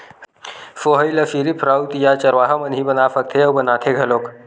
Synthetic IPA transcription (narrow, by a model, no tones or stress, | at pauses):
foɦəjləfiɾipʰɾawt̪jat͡ʃɐɾʋaːɦamənɦibənaːfək̚t̪ʰeɐbənaːt̪ʰeɡʱɐloːk